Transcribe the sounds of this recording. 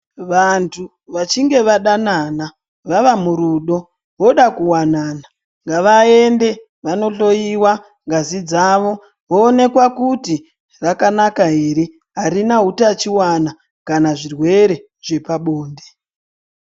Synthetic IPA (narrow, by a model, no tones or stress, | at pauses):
ʋantʰu | ʋat͡ʃiŋɡe̞ʋaɗanana | ʋaʋamuɾuɗo̞ | ʋo̞ɗakuwanana | ŋɡaʋaende̞ | ʋano̞ɬo̞jiwa | ŋɡazid͡zaʋo̞ | ʋoːne̞kwakuti | rakanakaɦeɾe | ɦarinaɦutat͡ʃiwana | kanaʐirwe̞ɾe̞ | ʐ̥e̞paɓoːnde